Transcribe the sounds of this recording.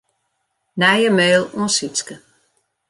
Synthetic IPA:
nɛjəmøːlˠũəsiskə

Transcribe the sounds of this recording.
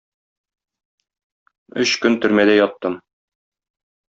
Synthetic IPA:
ɵ̰ɕkɵnt̪ɵ̆ɾmæd̪æjɒt̪ːɤm

